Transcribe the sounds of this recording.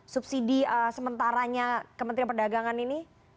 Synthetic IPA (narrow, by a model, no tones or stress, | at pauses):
sup̚sidiəsəmənt̪aɾaɲakəmənt̪ɾianpərdaɡaŋanini